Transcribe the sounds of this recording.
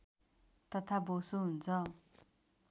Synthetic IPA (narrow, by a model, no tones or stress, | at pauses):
t̪ʌt̪ʰabosuɦunt͡sʰʌ